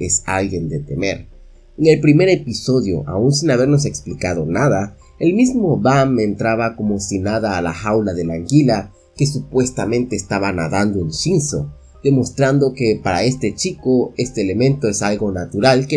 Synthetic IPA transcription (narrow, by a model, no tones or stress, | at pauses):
esa̰lɣje̞nd̪et̪e̞me̞̰ɾ | eŋe̞lpɾime̞ɾe̞piso̞ðjo̞̰ʔa̰unsiŋaβe̞ɾno̞s̬e̞ksplikað̞o̞naða | elmizmo̞βamːeːnt̪ɾaβako̞mo̞sinaðaːla̰xawlaðe̞laŋɡila | ke̞s̬upwe̞st̪amẽ̞nt̪e̞ːst̪aβana̰ðand̪oensinso̞̰ | d̪̥e̞mo̞st̪ɾand̪o̞ke̞paɾae̞st̪e̞t͡ʃikoe̞st̪eːle̞mẽ̞nt̪o̞e̞salɣo̞nat̪uɾalke